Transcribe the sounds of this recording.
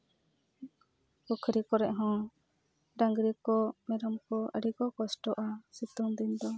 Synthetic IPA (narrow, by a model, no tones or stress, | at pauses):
ɔkʰɾikɔɾɛʔɦɔ̃ | ɖaŋɡɾikɔmɛɾɔmkɔə̰ɽikɔkɔsʈɔʔasit̪uŋd̪ind̪ɔ